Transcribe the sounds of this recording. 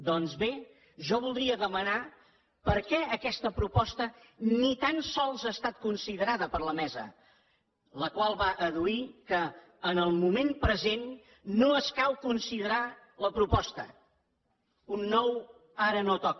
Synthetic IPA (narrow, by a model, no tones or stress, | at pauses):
d̪ɔnzβe | ʒɔβ̞ulˠd̪ɾiəðəməna | pəɾkɛəkɛst̪əpɾupɔst̪ə | nit̪ansɔlˠzaəːst̪at̪̚kunsiðəɾaðəpəɾləmɛzə̰ | ləkwalˠβaʔəðuikəː | nəlˠmumempɾəzenː | oəskalˠkunsiðəɾa | ləpɾupɔst̪ə̰ | unːɔw | aɾənot̪ɔk